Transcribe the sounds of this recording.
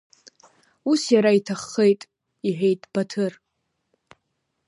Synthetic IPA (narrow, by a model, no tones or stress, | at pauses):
usjaɾaitʰaχːejtʼ | iħʷᶣejtʼb̥atʰɨr